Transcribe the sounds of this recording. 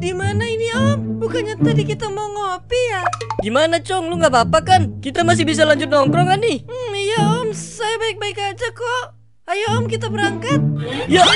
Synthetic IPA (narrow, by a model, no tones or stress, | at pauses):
dimanainiɔmbukaɲat̪adikit̪amaŋaopijadimanat͡ʃɔŋluŋɡabapakankit̪amas̬ɪhbis̬alaɲd͡ʒʊt̪̚nɔŋkɾɔŋanɪhm̩ijaɔmsajabaɪk̚baɪkad͡ʒakɔʔ | ajaɔmkit̪abəɾaŋkat̪̚ja